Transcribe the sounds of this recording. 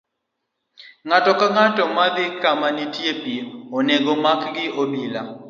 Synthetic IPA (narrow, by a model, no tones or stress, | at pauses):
ŋatɔkaŋatɔmad̪ɪkamanitjepioneɡɔmakɡɪʔobila